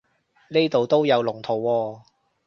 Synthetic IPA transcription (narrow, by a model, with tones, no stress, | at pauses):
ne˥t̪o˨wt̪o˥wjɐ˨˧wlʊ˨˩ŋt̪ʰo˨˩wːɔː˧